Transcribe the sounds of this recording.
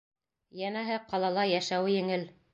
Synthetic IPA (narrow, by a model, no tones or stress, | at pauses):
jænæɦɘqɑlˠɑlˠɑjæʃæwɘjɘ̆ŋɘl